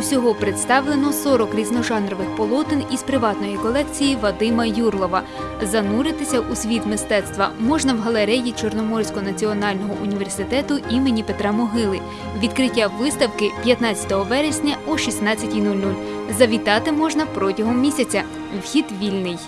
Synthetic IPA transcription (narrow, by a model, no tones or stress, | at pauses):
wsʲɔɦɔpɾet̪st̪ɑwlˠenɔsɔɾɔkɾʲiznɔʒɑnɾɔʋɪxpɔlˠɔt̪ɪnizpɾɪʋɑt̪nɔjikɔlˠɛkt͡sʲijiʋɐd̪ɪmɐjurlˠɔʋɐ | zɐnuɾɪt̪ɪsʲɐʔusʲʋʲit̪mɪst̪ɛt̪st̪ʋɐmɔʒnɐwɦɐlˠeɾɛjit͡ʃɔrnɔmɔrsʲkɔnɐt͡sʲiɔnɑlʲnɔɦɔʔʊnʲiʋe̞rsɪt̪ɛt̪ʊimenʲipet̪ɾɑmɔɦɪlˠɪ | ʋʲid̪kɾɪtʲːaʋɪst̪ɐwkɪpʲjɐt̪nɑt͡sʲɐ̥t̪ɔɦɔʋɛɾesʲnʲɐɔʃisnɑt͡sʲːɐtʲijnulʲnulʲ | zɐʋʲit̪ɑt̪ɪmɔʒnɐpɾɔtʲɐɦɔmːʲisʲɐt͡sʲɐ | wxʲid̪ʋʲilʲnɪj